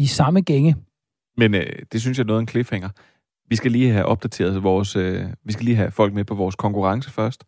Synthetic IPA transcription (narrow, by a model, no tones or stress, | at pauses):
isɑ̈məɡ̥eŋə | menød̥e̝s̬ynsjɑ̈nɔ̽ːð̩ˠenkʰle̝feŋ̰ɐ | ʋisɡ̥æliːɦæʔɒ̽b̥̚d̥æt͡sʰe̝̰ːɐð̩ˠʋɒːsøʋisɡ̥æliːɦæfɒ̽l̰ɡ̥mepʰɒ̽ʋɒːskʰɒ̽ŋkuʁɑ̈ŋsəfɶɐsd̥